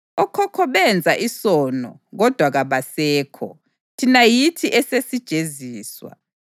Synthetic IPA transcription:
ɔkʰɔkʰɔβɛnd͡zʱaʔisɔːnɔ̰ɣɔd̥ʱwaɣaβasɛːkʰɔ̰ | tʰinajitʰiʔɛsesid̥ʒ̥ʱeziːswa̰

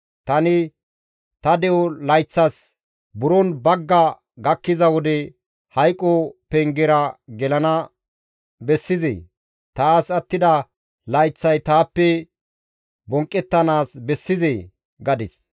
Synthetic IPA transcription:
t̪ɐnɪ | t̪ɐd̪ɛwɔlɐjt͡sːɐs | bʊɾɔnbɐɡːɐ | ɡɐkːɪzɐwɔd̪ɛ | hɐjkʼːɔpɛŋɡɛɾɐɡɛlɐnɐ | bɛsːɪzḛː | t̪aːsɐt̪ːɪd̪ɐ | lɐjt͡sːɐjt̪aːpːɛ | bɔŋkʼːɛt̪ːɐnaːsbɛsːɪze | ɡɐd̪ɪs

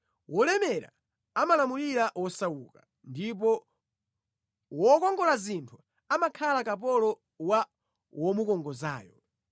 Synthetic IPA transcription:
wɔlɛmɛɾa̰ | amalamuliɾaʔwɔsawuka | ndip̬ɔ | wɔkɔŋɡɔlazintʰu | amakʰalakap̬ɔlɔ | wa | wɔmukɔŋɡɔza̰ːjɔ

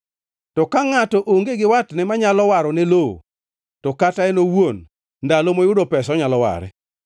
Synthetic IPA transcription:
tɔkaŋatɔʔoŋɡeɡɪwatnɛmaɲalɔwaɾɔneloo̰ | tɔkataɛnowon | ndalomojʊdopɛsɔɲalɔwa̰ɾɛ̰

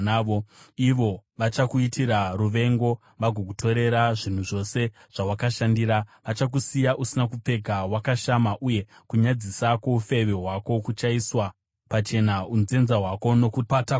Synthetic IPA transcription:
aoiʋo̞ʋat͡ʃakuitʰiɾaruʋe̞ŋɡo̞ | ʋaɡʱok̬utʰo̞ɾe̞ɾaʐin̤uʐo̞se̞ | ʐ̥awakaʃandiɾaʋat͡ʃak̬usijaʔusinakup͡fe̞ɡʱawakaʃamaʔuje̞ | kuɲad͡zisako̞ufe̞ʋe̞ɦwako̞kut͡ʃaiswa | pat͡ʃe̞naunze̞nzaɦwako̞no̞kut

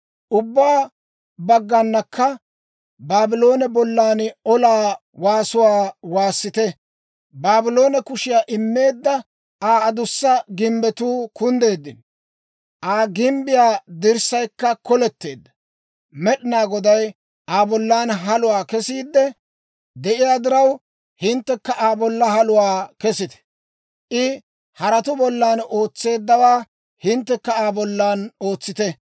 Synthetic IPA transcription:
ʔʊbːaː | bɐɡːɐnːɐkːɐ | baːbɪlo̞ːnɛbɔlːaːnɔlaː | waːsʊwaːwaːsːɪt̪ɛ | baːbɪlo̞ːnɛkʊʃɪjaːʔɪmːe̞ːd̪ːɐ | aːd̪ʊsːɐɡɪmbɛt̪uːkʊnd̪e̞ːd̪ːɪn | ʔaːɡɪmbɪjaːd̪ɪɾsɐjkːɐkɔlɛt̪ːe̞ːd̪ːɐ̥ | mɛɗɪnaːɡɔd̪ɐj | ʔaːbɔlːaːnɦɐlʊwaːkɛsiːd̪ːɛ | d̪ɛʔɪjaːd̪ɪɾɐw | hɪnt̪ːɛkːɐʔaːbɔlːɐhɐlʊwaːkɛsɪt̪ɛ̥ | ʔɪ | hɐɾɐt̪ʊbɔlːaːno̞ːt͡sːe̞ːd̪ːɐwaː | hɪnt̪ːɛkːɐaːbɔlːaːnoːt͡sːɪt̪ɛ

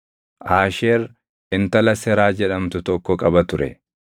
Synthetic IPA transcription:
ʔaːʃeːɾ | ɪnt̪ɐlɐsɛɾaːd͡ʒɛᶑɐmt̪ʊt̪ɔkːɔkʼɐbɐt̪ʊɾɛ̰

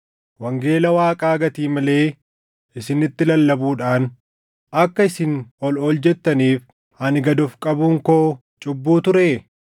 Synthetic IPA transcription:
wɐŋɡe̞ːlɐwaːkʼaːɡɐt̪iːmɐle̞ː | ɪsɪnɪt̪ːɪlɐlːɐbuːᶑaːn | ʔɐkːɐɪsɪnɔlɔld͡ʒɛt̪ːɐniːf | ɐnɪɡɐd̪ɔfkʼɐbuŋkoː | t͡ʃʼʊbːuːt̪ʊɾeː

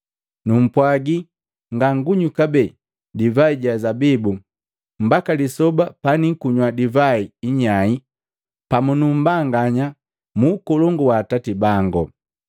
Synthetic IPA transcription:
num̩pwaɡi | ŋɡaŋɡuɲukabɛ | divaiɟazabibu | m̩bakalisɔbapanikuɲwadivaiiɲai | pamunum̩baŋɡaɲa | muːkɔlɔŋɡuwaːtatibaŋɡɔ̰

